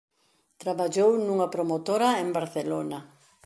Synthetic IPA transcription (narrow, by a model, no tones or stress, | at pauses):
t̪ɾaβaʎownuŋɐpɾomot̪oɾaembaɾθelonɐ